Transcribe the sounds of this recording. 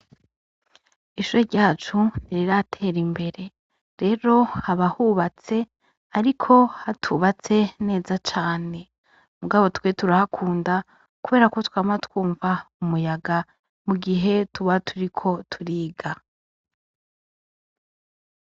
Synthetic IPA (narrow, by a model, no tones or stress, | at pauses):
iʃuɾeɾɟaːt͡ʃuniɾiɾaatʰe̞ːɾimbe̞ɾe̞ | ɾe̞ːɾo̞haβahuβat͡se̞ | aɾikʰo̞hatʰuβat͡se̞ne̞ːzat͡ʃaːne̞ | muɡaβo̞twe̞tuɾahakʰuːnda | kuβe̞ːɾako̞twaːmatwuːɱvaumujaɡa | muɡiɦe̞tuβatʰuɾikʰo̞tʰuɾiːɡa